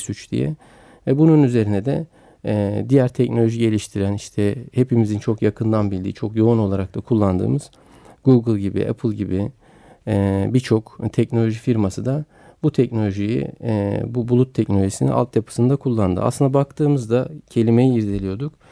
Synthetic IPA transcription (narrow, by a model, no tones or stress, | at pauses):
syt͡ʃd̪ḭjɛ̰ | vɛbununyze̞ɾinɛd̪ɛ | d̪ijæɾt̪ʰɛcnolʲo̞ʒiɟe̞lʲiʃt̪ʰiɾæniʃt̪ʰɛhe̞pimizint͡ʃʰo̞kjakʰɯnd̪anbilʲd̪ḭːt͡ʃʰo̞kjo̞uno̞lˠaɾak̚t̪ʰakʰulˠːand̪ɯ̰ːmɯz̥ | ɡuɡɯlˠɟibḭʔɛ̰pʰɯlˠɟibi | biɾt͡ʃʰo̞kt̪ʰɛcnolʲo̞ʒifiɾmasɯd̪a | but̪ʰɛcno̞lʲo̞ʒijḭbubulˠut̪ʰːɛcnolʲoʒisinḭa̰lˠt̪japʰɯ̥sɯnd̪akʰulˠːand̪ɯ̰ʔa̰slɯnd̪abak̚t̪ʰɯːmɯzd̪acʰe̞lʲime̞jiːɾd̪elʲijo̞ɾd̪uk